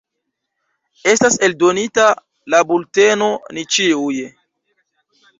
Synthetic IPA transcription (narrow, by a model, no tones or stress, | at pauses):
e̞stase̞ldo̞nita | labulte̞no̞nit͡ʃiuj